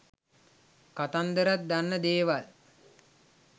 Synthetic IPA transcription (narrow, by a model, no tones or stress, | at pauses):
kat̪and̪əɾat̪̚d̪anːəd̪eːʋal